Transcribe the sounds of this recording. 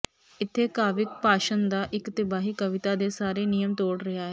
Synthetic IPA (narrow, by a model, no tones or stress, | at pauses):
ɪt̪ʰːeːkaːʋɪk̚paːʃənd̪aːʔɪkt̪ɪbaːɦiːkəʋɪt̪aːd̪eːsaːɾeːnijəmt̪oːɽɾɪɦaːɦɛː